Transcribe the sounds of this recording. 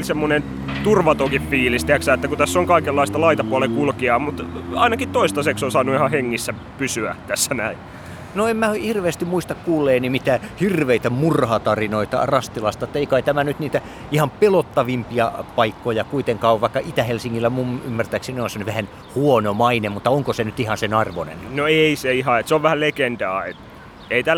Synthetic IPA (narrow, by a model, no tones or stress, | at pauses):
lsemːonen | t̪urʋɑt̪okiffiːlist̪eæksæːet̪ːækut̪æsːoŋkɑikelːɑist̪ɑlɑit̪ɑpuolekulkiɑːmut̪ɑinɑkit̪t̪oist̪ɑseksonsɑːnːuihɑheŋːisːæ | pysyæt̪æsːænæi | noemmæhirʋeːst̪immuist̪ɑkkuːlːeːnimit̪æːhirʋeit̪æmurhɑt̪ɑrinoit̪ɑ̰rɑst̪ilɑst̪ɑet̪ːæeikɑit̪æmænyt̪niːt̪æ | ihɑmpelot̪ːɑʋimpiɑpɑikːojɑkuit̪eŋkɑːoʋʋɑikːɑʔit̪æhelsiŋːilːæmumymːært̪æiksinːonsɑnːˑyʋæhæn | huonomɑinemut̪ːɑoŋkosenyt̪ihɑnsenɑrʋonḛnnoeiseihɑet̪seoʋʋæhællekend̪ɑːḛt̪ | eit̪æl